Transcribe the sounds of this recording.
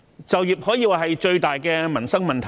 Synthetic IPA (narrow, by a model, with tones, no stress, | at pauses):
t͡sɐ˨wjiː˨p̚hɔː˨˥jiː˧waː˨˩ɦɐ˨jt͡ʃɵ˧ɥt̪aː˨jkɛː˧mɐ˨˩nsɐ˥ŋmɐ˨nt̪ʰɐ˨˩